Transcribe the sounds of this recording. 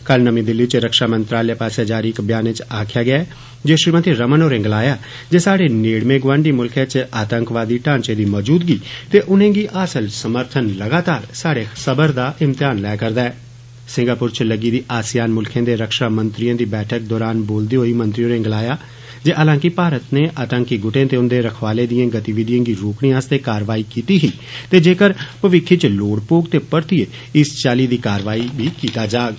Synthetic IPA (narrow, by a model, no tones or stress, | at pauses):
kəlnəmĩːd̪ɪlːiːt͡ʃɾəkʃaːmənt̪ɾaːljaːpaːseːd͡ʒaːɾiːɪkbjaːnẽːt͡ʃaːkʰɪjaːɡɪaː | d͡ʒeːʃɾiːmət̪iːɾəmənoːɾẽːŋɡlaːjaː | d͡ʒeːsaːɽeːneːɽmẽːɡʋãːɳɖiːmʊlkʰẽːt͡ʃaːt̪əŋkʋaːd̪iːʈãːnt͡ʃeːd̪iːmɔːd͡ʒuːd̪ɡiːt̪eːʔʊnẽːɡiːʔaːsəlsəməɾt̪ʰənləɡaːt̪aːɾsaːɽeːsəbəɾd̪aːʔɪmt̪ɪjaːnlɛːkəɾd̪aːɛː | sɪ̃ŋɡaːpʊɾt͡ʃləɡiːd̪iːʔaːsjaːnmʊlkʰẽːd̪eːɾəkʃaːmənt̪ɾijãːd̪iːbɛːʈʰək̚d̪ɔːɾaːnboːld̪iːɦoːiːmə̃nt̪ɾɪjõːnẽːɡəlaːjaː | d͡ʒeːʔəlãːkɪpaːɾət̪neːʔət̪ə̃ŋkiɡʊʈẽːt̪eːʊnd̪eːɾəkʰʋaːlẽːd̪ijãːɡət̪iːʋɪd̪ɪjãːɡiːɾoːkɽ̃ijãːst̪eːkaːɾʋaːiːkiːt̪iːɦiː | t̪eːd͡ʒeːkəɾpəʋɪkʰːit͡ʃloːɽpoːɡt̪eːpəɾt̪ieː | ɪst͡ʃaːliːd̪iːkaːɾʋaːiːbʱiːkiːt̪aːd͡ʒaːɡ